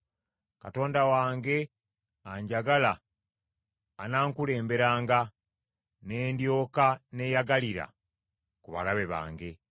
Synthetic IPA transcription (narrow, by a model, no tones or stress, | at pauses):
kato̞ːndawaːŋɡe̞ | aɲɟaɡala | naːŋkule̞ːmbe̞ɾaːŋɡa | ne̞ːndjo̞ːkane̞ːjaɡaliɾa̰ | kuβa̰laβe̞βa̰ːŋɡe̞